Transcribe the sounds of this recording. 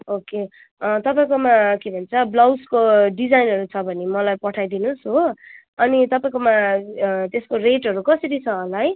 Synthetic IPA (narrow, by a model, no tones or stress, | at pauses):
oke | ʌt̪ʌpaĩkomakebʱʌnt͡sʰʌblawskoɖid͡zajnɦʌɾut͡sʰʌbʱʌnemʌlajpʌʈʰajd̪inusɦo | ʌnit̪ʌpaĩk̬oma | t̪eskoreʈɦʌɾukʌsʌɾit͡sʰʌːlaj